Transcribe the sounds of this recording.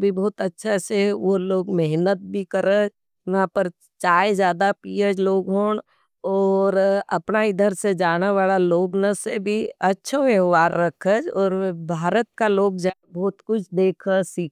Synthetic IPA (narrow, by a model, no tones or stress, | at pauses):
bʱibɔːt̪ɐtːʃʰaseʋoloːɡmɛɦnət̪̚bʱikəɾəd͡ʒ | ʋɐɦãpəɾ | t͡ʃaːezjaːd̪apiəd͡ʒloːɡɦoːɳ | ɔːɾɐ̰pnaɪd̪ʱəɾsed͡ʒaːnaʋaːlaloːɡnasebʱiɐtːʃʰoʋəɦʋaːɾːɐkʰəd͡ʒɔːɾbʱaːɾət̪̚kaloːɡ̚d͡ʒabɔːt̪kʊt͡ʃʰd̪eːkʰəsiːk